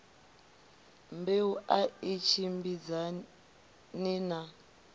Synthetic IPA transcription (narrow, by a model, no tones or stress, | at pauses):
mbeuʔait͡ʃʰimbid͡za | nina